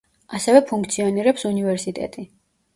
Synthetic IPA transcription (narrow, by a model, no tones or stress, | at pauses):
asɛvɛpʰuŋk̚ʰt̪sʰiɔniɾɛpsunivɛɾsit̪ʼɛ̰t̪ʼi